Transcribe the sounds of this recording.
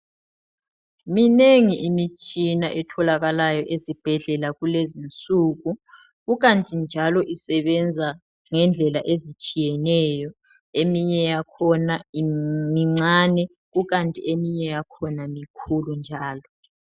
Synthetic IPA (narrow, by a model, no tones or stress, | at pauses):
mineŋiʔimit͡ʃʼinaʔɛtʰɔlaɣalajɔʔezib̥ʱɛɮɛlaɣulezint͡sʼuːɣu | ɣuɣantʼind͡ʒʱalɔʔisɛβɛnd͡zʱa | ŋɛnd͡ɮʱɛlaʔezit͡ʃʼijɛnɛːjɔ | emiɲɛjakʰɔnaimiŋ͡ǀaːnɛ | ɣuɣantʼiemiɲɛjakʰɔnamikʰulund͡ʒʱaːlɔ